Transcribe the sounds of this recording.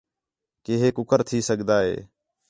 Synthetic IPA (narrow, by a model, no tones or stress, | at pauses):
keːɦeːkʊkəɾt̪ʰiːsəɠd̪aːɦḛː